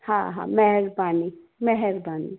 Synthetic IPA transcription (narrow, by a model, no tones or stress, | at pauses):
hãɦã̰mɛɦɛɾbaːni | mɛɦɛɾbaːni